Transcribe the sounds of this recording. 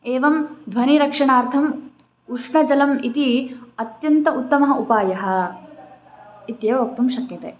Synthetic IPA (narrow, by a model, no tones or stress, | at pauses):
eːʋɐmd̪ʱʋɐniɾɐkʂɐɳaːɾt̪ʰɐm | uʂɳɐd͡ʒɐlɐmit̪iɐt̪jɐnt̪ɐʔut̪ːɐmɐɦɐupaːjɐɦɐ̆ | it̪jeːʋɐʋɐk̚t̪umʃɐkjɐt̪eː